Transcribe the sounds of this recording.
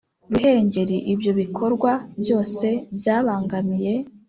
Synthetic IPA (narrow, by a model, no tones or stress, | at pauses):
ɾuɦe̞ːɲɟe̞ɾiʔibjo̞βikʰo̞ɾɡwabjo̞ːse̞bjaːβaːŋɡamije̞